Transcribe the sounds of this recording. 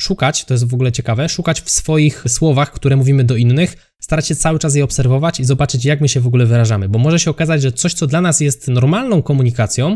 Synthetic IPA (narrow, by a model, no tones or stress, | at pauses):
ʂukat͡ɕt̪ɔjɛs̬t̪vɔɡulɛt͡ɕɛkavɛʂukat͡ɕfsfɔjixswɔvaxkt̪uɾɛmuvʲimɘd̪ɔinːɘx | st̪aɾat͡ɕɕɛt̪sawɘt͡ʂas̬jɛɔpsɛɾvɔvat͡ɕizɔbat͡ʂɘt͡ɕjakmɘɕɛvɔɡulɛvɘɾaʐamɘbɔmɔʐɛɕɛɔkazad͡ʑʐɛt̪sɔɕt̪sɔd̪lanasjɛst̪nɔɾmalnɔ̃w̃kɔmuɲikat̪sʲjɔ̃w̃